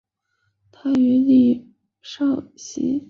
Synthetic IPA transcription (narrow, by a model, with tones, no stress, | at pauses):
t̪ʰa˥y˧˥li˥˩ | ʂɑ˥˩ʊɕḭ˧˥